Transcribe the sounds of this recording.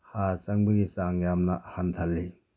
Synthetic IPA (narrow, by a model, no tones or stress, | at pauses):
haɾsɐŋbɐɡisaŋjamnɐhant̪ʰalːi